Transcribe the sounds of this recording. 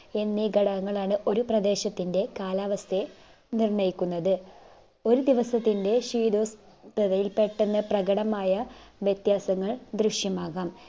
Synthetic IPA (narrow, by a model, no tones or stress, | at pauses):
e̞nːiɡɐɽɐŋːɐɭaːɳɨʔo̞ɾuprɐd̪e̞ːɕɐt̪ːinde̞kaːlaːʋɐst̪ʰe̞ | nirɳɐjikʲːunːɐðɨ | o̞ɾud̪iʋɐsɐt̪ːinde̞ʂiːd̪o̞ːs | t̪ɐðɐjilpe̞ʈːenːɨprɐɡɐɽɐmaːjɐʋjet̪jaːsɐŋːɐɭd̪rɨʂjɐmaːɣaːm